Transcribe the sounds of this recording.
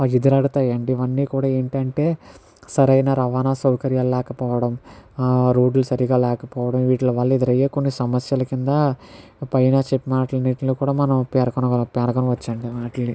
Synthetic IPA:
id̪ɐɾɐɽut̪aːjɐɳɖiːʋɐnːiːkuːɽaːe̞ːɳʈɐɳʈe̞ː | sɐɾɐjnaːɾɐʋaːnaːsɐwkɐɾjaːllɛːkɐpɔːʋɐɽɐm | ɾoːɖlusɐɾiɡaːlɛːkɐpɔːʋɐɽɐmʋiːʈlɐʋaːlːɐid̪ɐɾɐjːeːkonːisɐmɐsjɐlɐkind̪ɐpɐjɐnaːt͡ʃepːimaːʈlɐniʈlokuːɽaːmɐnɐmpɛːɾɐkɐnɡɐpɛːɾɐkɐnɐʋɐt͡ʃːɐɳɖimaːʈɐlːi

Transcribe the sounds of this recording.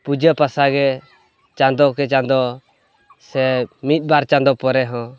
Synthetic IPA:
pud͡ʒəpasaɡɛ | t͡ʃãnd̪ɔkɛt͡ʃãnd̪ɔ | sɛmit̪̚ˀbaɾt͡ʃãnd̪ɔpɔɾɛɦɔ̃

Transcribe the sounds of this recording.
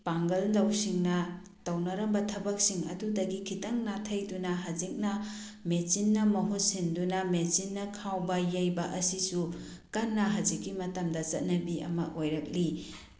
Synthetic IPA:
paŋɡɐllɐwsiŋnɐ | tɐwnɐɾɐmbɐtʰɐbɐk̚siŋɐ̰dudɐɡikʰitɐŋnatʰɐjdunɐɦɐd͡ʒik̚nɐ | met͡ʃinːɐmɐɦut̚sindunɐmesinːɐkʰawbɐjɐjbɐʔɐsisu | kɐnːɐɦɐzikːimɐtɐmdɐt͡ʃɐt̚nɐbiɐ̰mɐʔojɾɐk̚li

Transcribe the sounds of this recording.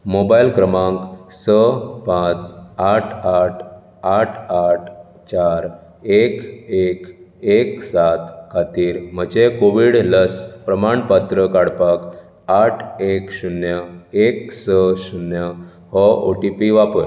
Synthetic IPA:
mobailkɾəmãŋksəpãt͡saʈʰaʈʰ | aʈʰaʈʰ | t͡ɕaɾ | ekekeksat̪kʰat̪iːɾm̤əd͡ʑekoʋiɽləspɾəmaɳpat̪ɾəkaɽpak | aʈʰekɕunjəek̚səɕunjə | hɔʔo̰ʈipiʋapəɾ

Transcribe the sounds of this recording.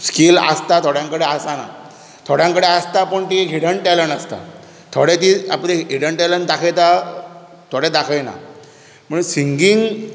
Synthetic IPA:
skilə̰st̪at̪ʰoɽjãŋkəɽeasana̰ | t̪ʰoɽjãŋkəɽeast̪apəɳt̪iɦiɽəɳʈɛlənəst̪a̰ | t̪ʰoɽet̪iapneɦiɽəɳʈɛlənd̪akʰet̪a | t̪ʰoɽed̪akʰəjna̰ | m̤əɽusiŋɡiŋɡ

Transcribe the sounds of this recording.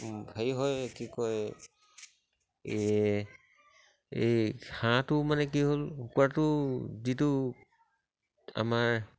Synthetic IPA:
bʱaiɦɔjkikɔj | e | ḛhãtʊmanɛk̬iɦolukuatʊzitʊ | a̰maɹ

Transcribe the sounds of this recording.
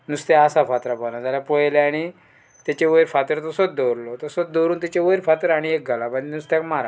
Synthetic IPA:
nust̪jasafat̪ɾapanad͡zalapɔjleaɽ̃i | t̪jat͡ɕeʋəjɾfat̪əɾt̪ɔsot̪̚d̪owɾlot̪osot̪̚d̪oɾuːnt̪it͡ɕeʋəɾfat̪əɾaɽ̃iek̚ɡʱalapaɳt̪nust̪ekmaɾa

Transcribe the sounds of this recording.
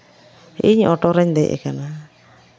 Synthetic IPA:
iɲɔʈɔɾɛɲd̪ɛjʔɛ̰kana

